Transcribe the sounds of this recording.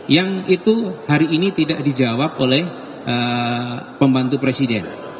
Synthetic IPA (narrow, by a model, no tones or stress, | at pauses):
jaŋit̪uhaɾiːnit̪idaʔdid͡ʒawap̚olɛh | ʔə | pəmbant̪upɾesidɛn